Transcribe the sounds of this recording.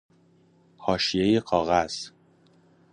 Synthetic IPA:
hɒːʃijejeqʰɒːɣæz̥

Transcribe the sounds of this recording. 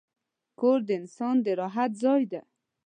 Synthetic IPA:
koɾd̪ɪɪnsɑnd̪əɾɑɦat̪̚zɑjd̪a

